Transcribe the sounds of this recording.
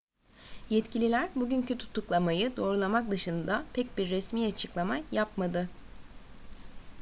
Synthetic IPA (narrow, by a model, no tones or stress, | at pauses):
jɛt̪cilʲilʲæɾbuɟyncʰyt̪ʰu̥t̪ʰːuklˠamajɯd̪o̞ːɾulˠamak̚d̪ɯʃɯnd̪apʰɛc̚biɾːɛsmiːat͡ʃʰɯklˠamajapmad̪ɯ